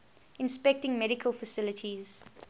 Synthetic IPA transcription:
ɪ̃nspɛk̚tɪ̃ŋmɛɾɪkʰəlˠfəsɪlətʰiz̥

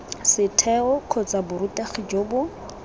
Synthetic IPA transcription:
sɪtʰɛɔkʰɔt͡sabʊɾutʼaχɪd͡ʒoːbʊ

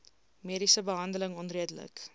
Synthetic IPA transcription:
miəɾisəbəɦɐndələŋɔnriədələ̰k

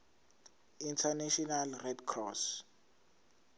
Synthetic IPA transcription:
intʰanaʃɔnalrɛdkʰrɔs

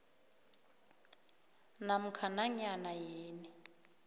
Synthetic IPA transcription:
nam̩kʰanaɲanajeːni

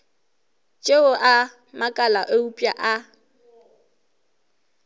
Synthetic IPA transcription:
t͡ʃʼeʊʔa | makʼalaʔoupʼjaʔa

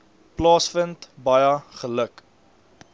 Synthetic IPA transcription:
plɑːsfəntbɐjəχələk

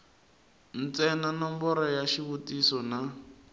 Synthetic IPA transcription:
n̩t͡sɛnanɔmbɔɾɔjaʃiβutisɔna

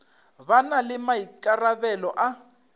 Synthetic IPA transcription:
βanalɪmaikaraβɛlɔʔa

